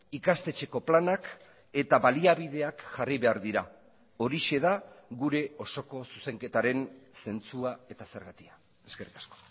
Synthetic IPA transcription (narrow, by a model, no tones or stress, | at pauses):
ikast̪e̞t͡ʃe̞ko̞planak | e̞t̪aβaliaβ̞iðe̞akʝariβe̞aɾðiɾa | o̞ɾiʃe̞ð̞aɣuɾe̞o̞so̞ko̞suse̞ŋke̞t̪aɾe̞nse̞nt͡suae̞t̪ase̞ɾɣat̪ia | eske̞rikḁsko̥